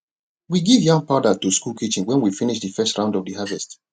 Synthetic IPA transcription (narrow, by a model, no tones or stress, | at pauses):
wiɡivjãŋpaʊdatuskulkʰit͡ʃĩŋwɛ̃nwifiniʃðɨfɛstɹãʊ̃ndɔvdəhɦavɛst